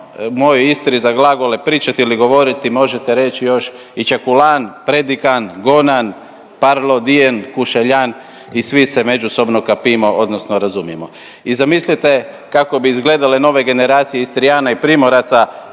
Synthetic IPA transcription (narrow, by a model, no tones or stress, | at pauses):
mo̞joist̪ɾizaɡlaɡo̞lepɾiːt͡ʃat̪iiliɡo̞ʋo̞ɾit̪imo̞ʒe̞t̪eɾe̞t͡ʃijo̞ʃ | it͡ʃakulanpɾe̞d̪ikanɡonan | paɾlo̞d̪ijenkuʃeʎan | isʋiseme̞d͡ʒuso̞bno̞kapimoʔod̪no̞sno̞ɾazumjemo̞ | izamislit̪e̞ | kako̞biizɡle̞ːd̪aleno̞ːʋe̞ɡe̞ne̞ɾaːt̪sijeist̪ɾijaːnaipɾimo̞ɾat̪sa